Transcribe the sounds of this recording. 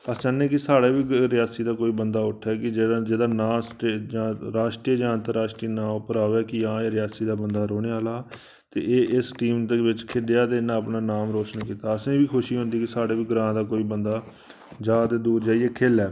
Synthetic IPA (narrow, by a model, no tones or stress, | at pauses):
əst͡ʃanːẽːkɪsaːɽeːʋiːɾɪjaːsiːd̪aːkoːiːbənd̪aːʊʈʰːɛːkɪd͡ʒeːd͡ʒeːd̪aːnãːsʈeːd͡ʒãːɾaːʃʈɾiəd͡ʒãːənt̪əɾaːʃʈɾiːnãːpəɾaːʋɛːkɪjãːeːɾɪjaːsiːd̪aːbənd̪aːɾoːɽ̃eːaːlaː | t̪ḛːeːʔɪsʈiːmt̪eʋɪt͡ʃkʰɪɖɪjaːt̪eːɪnːãːəpnaːnaːmɾoːt͡ʃənkiːt̪aːəsẽːʋiːkʰʊʃiːɦõnd̪iːkɪsaːɽeːʋiːɡɾãːd̪aːkoːiːbənd̪aː | d͡ʒaːd̪ed̪uːɾd͡ʒaːieːkʰeːlɛː